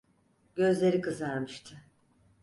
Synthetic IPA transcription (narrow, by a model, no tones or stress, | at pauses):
ɟ̥ø̞zlʲe̞ɾikʰɯzaɾmɯʃt̪ʰɯ